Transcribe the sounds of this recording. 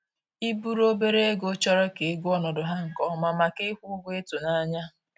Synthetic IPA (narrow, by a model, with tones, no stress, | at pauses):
i˦bu˦ɾo˦be˦ɾe˦e˦ɡo˦t͡ʃɔ˦ɾɔ˦ke˨˦ɡu˦ɔ˦nɔ˨dʊ˨ɦa˦ŋ̩˨kɔ˦ma˨ma˨ke˦kʷu˦ɡʷe˦to˨na˦ɲa˦